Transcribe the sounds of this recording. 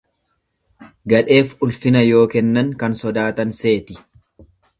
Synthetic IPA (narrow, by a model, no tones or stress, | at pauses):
ɡɐᶑe̞ːfʊlfɪnɐjo̞ːkɛnːɐŋkɐnsɔd̪aːt̪ɐnse̞ːt̪ɪ